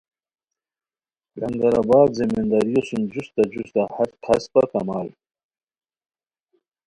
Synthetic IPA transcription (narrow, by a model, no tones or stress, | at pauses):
laŋɡaɾabaːd̪zimind̪aɾijosund͡ʑust̪ad͡ʑust̪ahat̪kʰaspaɾkamɑːl